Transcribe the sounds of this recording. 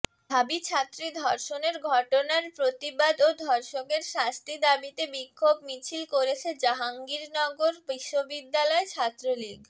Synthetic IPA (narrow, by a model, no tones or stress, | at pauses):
d̪ʱabit͡ɕʰat̪ːɾid̪ʱɔɾʃoneɾɡʱɔʈonaɾpɾot̪ibad̪od̪ʱɔɾʃokeɾʃãst̪ʰid̪abit̪ebikʰːobmit͡ɕʰilkoɾet͡ɕʰed͡ʑaɦaŋɡiɾnɔɡoɾbiʃːobid̪ːalɔet͡ɕʰat̪ːɾoliɡ